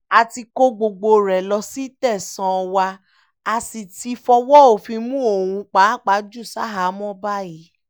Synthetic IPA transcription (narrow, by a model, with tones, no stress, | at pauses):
a˨ti˧ko˦ɡ͡bo˨ɡ͡bo˧ɾɛ˨lɔ˧si˦tɛ˦˨sã˧wa˧ | a˨si˨ti˧fɔ˧wɔ˦o˨fĩ˧mũ˦o˦˨wũ˧k͡pa˨˦˨k͡pa˨˦d͡ʒu˦˨sa˦ɦa˨˦mɔ̃˦ba˦ji˨˦